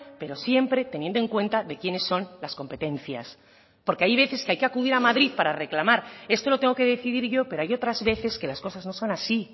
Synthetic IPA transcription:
pe̞ɾo̞sje̞mpɾe̞t̪enjend̪oe̞ŋkwe̞nt̪aðe̞kje̞ne̞sːo̞nlasko̞mpe̞t̪e̞n̟θja̰s | po̞ɾkeajβe̞θe̞skeajke̞akuðiɾamaðɾiðpaɾare̞klamaɾe̞st̪o̞lot̪eŋɡo̞keðe̞θiðiɾʝo̞peɾo̞ajo̞t̪ɾazβe̞θe̞ske̞lasko̞sazno̞so̞nasi

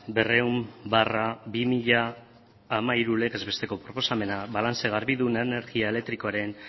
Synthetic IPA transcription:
be̞re̞umbarabimiʎaː | maiɾule̞ɣe̞zβe̞st̪e̞ko̞pɾo̞po̞same̞naβalant͡seɣ̞aɾβiðunene̞ɾɣiae̞le̞k̚t̪ɾiko̞aɾe̞n

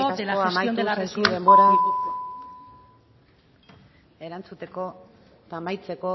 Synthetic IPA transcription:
seaoamajnuessuðe̞mbo̞ɾa | e̞ɾant͡sut̪e̞ko̞ | t̪aːmajt͡se̞ko̞

